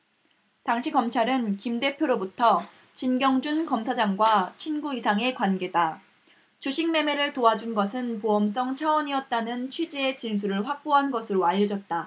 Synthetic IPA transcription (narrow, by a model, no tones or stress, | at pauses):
taŋɕʰiɡʌmt͡ɕʰaɾɯnkimde̞pʰjoɾobutʰʌ | t͡ɕinɡjʌŋd͡ʑunkʌmsʰad͡ʑaŋɡwat͡ɕʰinɡuisʰaŋe̞kwanɡe̞da | t͡ɕuɕʰiŋme̞me̞ɾɯɭtoad͡ʑunɡʌsʰɯnpoʌms͈ʌŋt͡ɕʰawʌɲiʌt̚t͈anɯnt͡ɕʰwid͡ʑeet͡ɕinsʰuɾɯɭɸwak̚p͈oɦanɡʌsʰɯɾoaʎːʌd͡ʑʌt̚t͈a